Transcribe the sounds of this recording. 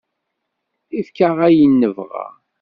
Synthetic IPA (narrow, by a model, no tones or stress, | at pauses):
ifkaʁæjənːəvʁa̰